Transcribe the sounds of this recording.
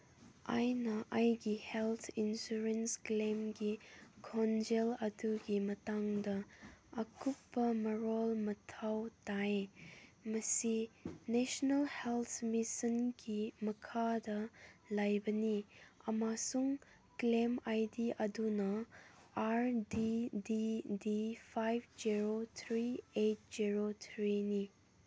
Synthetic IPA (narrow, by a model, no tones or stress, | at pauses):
a̰jnɐʔajɡihelt̪ʰinsuɾensklemɡikʰɔnd͡ʒelɐduɡimɐtaŋdɐː | kupːɐmɐɾɔlmɐtʰawtaj | mɐsinesnɐlhelt̪ʰmisinɡimɐkʰadɐlajbɐniɐmasuŋ | klemajdiʔɐdunɐ | aɾdididipʰajb̚d͡ʒiɾot̪ʰɾiejt̚z̥iɾot̪ʰɾini